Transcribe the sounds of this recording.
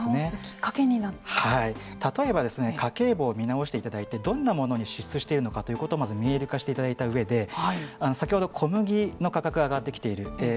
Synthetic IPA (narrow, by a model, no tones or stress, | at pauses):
nekʲi̥kːakeɲ̟inahai | t̪at̪o̞e̞bad̪e̞sɨne̞kʰake̞ːbo̞ːmʲinaoɕi̥t̪eit̪ad̪ait̪e̞d̪õ̞nːamo̞no̞ɲ̟iɕit͡sɨɕi̥t̪e̞iɾɯ̟no̞kat̪o̞jɯ̟ko̞t̪oːmazɨmʲie̞ɾɯ̟kaɕi̥t̪e̞it̪ad̪ait̪aɯ̟e̞d̪e̞haiano̞sakʲiho̞d̪o̞kʰo̞mɯ̟ɡʲino̞kakakɯaːɡat̪ːe̞kʲi̥t̪e̞iɾɯ̟